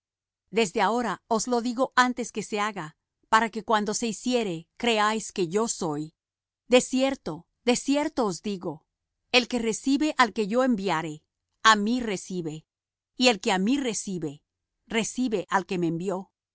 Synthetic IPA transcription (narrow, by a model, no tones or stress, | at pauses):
d̪e̞zðeao̞ɾao̞zlo̞ðiɣo̞ʔant̪e̞ske̞se̞aɣa | paɾake̞kwand̪o̞se̞isje̞ɾe̞kɾe̞ajske̞ʝo̞so̞j | d̪e̞sje̞ɾt̪o̞ | d̪e̞sje̞ɾt̪o̞ːzd̪iɣo̞ | e̞lke̞re̞siβe̞ʔalke̞ʝo̞e̞mbjaɾe̞ | amire̞siβe̞ | ie̞lke̞amire̞siβe̞ | re̞siβe̞ʔalke̞meːmbjo̞